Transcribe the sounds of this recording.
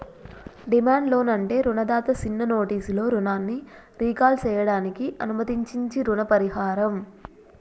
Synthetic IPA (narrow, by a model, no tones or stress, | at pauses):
ɖimaːɳɖlo̞ːnɐɳʈe̞ːɾunɐd̪aːt̪ɐt͡ʃinːɐno̞ːʈiːslo̞ːɾunaːnːi | ɾiːkaːlt͡ʃɛːjɐɽaːnikiʔɐnumɐt̪iɲt͡ʃiɲt͡ʃiɾuɳɐpɐɾihaːɾɐm